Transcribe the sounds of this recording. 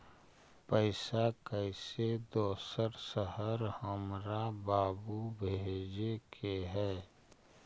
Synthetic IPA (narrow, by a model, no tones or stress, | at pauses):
pəɪsakəɪsed̪oːsəɾsəɦəɾhəmɾabaːbubʱeːd͡ʒekʰeɦɛː